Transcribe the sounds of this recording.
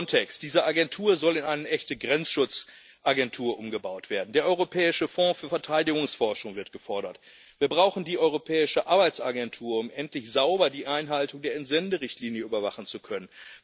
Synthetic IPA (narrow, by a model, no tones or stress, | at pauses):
ntʰɛkstd̥iːzɐʔaɡɛntʰuːɐzɔlɪnaɪnəʔɛçtəɡʁɛnt͡sʃʊt͡s | ʔaɡɛntʰuːɐʔʊmɡəbaʊtv̥eːɐdn̩deːɐʔɔʏʁopʰɛːɪʃəfɔ̃ːfyːɐfɛɐtʰaɪdɪɡʊŋsfɔɐʃʊŋvɪɐtɡ̥əfɔɐɾɐt | v̥iːɐbʁaʊxn̩diːʔɔʏʁopʰɛːɪʃəʔaɐbaɪt͡sʔaɡɛntʰuːɐʊmʔɛntlɪçz̥aʊbɐdiːʔaɪnɦaltʊŋdeːɐɛntz̥ɛndəʁɪçtliːnjəyːbɐvaχn̩t͡sukʰœnən